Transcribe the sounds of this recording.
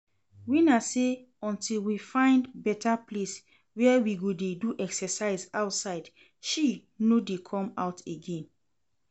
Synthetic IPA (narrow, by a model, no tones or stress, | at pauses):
winase | ɔ̃ntʰilwifãɪ̃ndbɛtʰaples | wɛwiɡodeduʔɛksɛsaɪzaʊtsaɪd | ʃinodekʰɔ̃maʊtʰeɡɛ̃n